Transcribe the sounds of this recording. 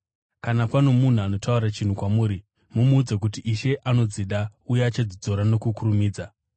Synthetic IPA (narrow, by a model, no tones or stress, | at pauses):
kanapano̞mun̤uano̞tʰauɾat͡ʃin̤ukwamuːɾi | mumuːd͡zakutiʔiʃe̞ʔano̞d͡ziɗaujeːt͡ʃed͡zid͡zo̞ɾano̞kukuɾumiːd͡za